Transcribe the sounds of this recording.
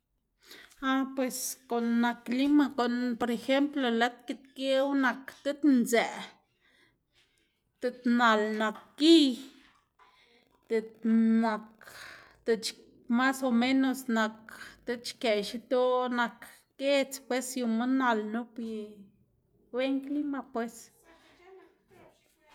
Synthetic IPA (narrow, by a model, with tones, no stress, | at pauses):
a˧pwe˨sko˨nːa˨kli˦ma˧ko˨npo˨ɾe˧xe˦mplo˧la˦t̪ki˧t̪ke˦wna˨kt̪e˦t̪nze˨ | t̪e˧t̪na˨lna˨k̚ːi˦ | t̪e˧t̪na˨kt̪e˧t͡ʃ | ma˦so˧me˦no˧sna˨kt̪e˦t͡ʃke˨ʃi˧t̪o˦na˨k | ɡ̥e˦t͡spwe˦sju˨˧ma˦na˨lnu˦pi˧ | we˦ŋkli˦ma˧pwe˧s